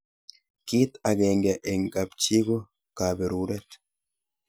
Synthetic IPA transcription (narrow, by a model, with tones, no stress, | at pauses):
ki˦t̪a˨ɡe˨ŋɡe˨ʔe˨ŋka˨pt͡ʃi˦ɡo˦ | ka˨be˨ɾuɾɛ˦t̪